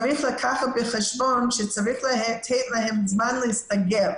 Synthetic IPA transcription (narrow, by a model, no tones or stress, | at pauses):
ɹiχlˠəkʰaχabɨχɛʃbɔnʃɛt͡saɹiχlɛtʰɛtlaɦɛmzmanlˠəɪstaɡɛl